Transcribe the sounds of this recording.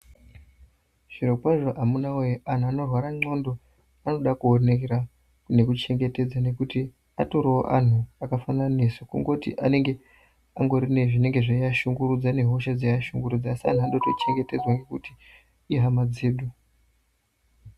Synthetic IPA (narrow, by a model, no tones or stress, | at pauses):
ʐ̥irokwaʐo̞ʔamunawojoʔan̤uano̞rwaɾaŋ͡ǀo̞ndo̞ | ano̞ɗakuone̞keɾa | kune̞kut͡ʃe̞ŋɡe̞te̞d͡zane̞kuti | atoɾoo̰ʔan̤uakafananesokṵŋɡo̞tḭʔa̰ne̞ŋɡe̞ | aŋɡo̞ɾine̞ʐine̞ŋɡe̞ʐaiaʃuŋɡuɾud͡zane̞ɦo̞ʃad͡zajaʃuŋɡurud͡zaːsia̰n̤uaɗotot͡ʃe̞ŋɡe̞te̞d͡zwaŋɡe̞kuti | iɦamad͡ziːɗu